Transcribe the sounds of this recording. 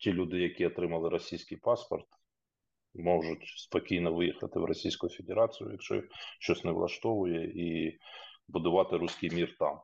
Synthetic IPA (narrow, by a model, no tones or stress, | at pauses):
tʲilʲud̪ɪjɐkʲiɔt̪ɾɪmɐlˠɪɾɔsʲijsʲkijpɑspɔrt̪ | mɔʒʊtʲspɔkʲijnɔʋɪjixɐt̪ɪwrɔsʲijsʲkʊjʊfʲed̪eɾɑt͡sʲijʊ̰jɐkʃt͡ʃɔ̰ʃt͡ʃɔsʲnɛʋlˠɐ̰ʃt̪ɔʋʊjɛi | bʊd̪ʊʋɑt̪ɪɾusʲkijmʲirt̪ɑ̰m